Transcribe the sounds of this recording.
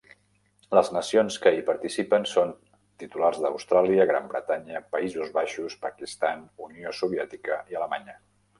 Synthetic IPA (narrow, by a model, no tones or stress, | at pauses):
ləznəsionskəipəɾt̪isipənson | t̪it̪ularzðə̰wst̪ɾalˠiəɣ̞ɾa̰mbɾət̪aɲəpəizuzβaʃuspəkist̪anuniosuβ̞iɛt̪ikəiələmaɲə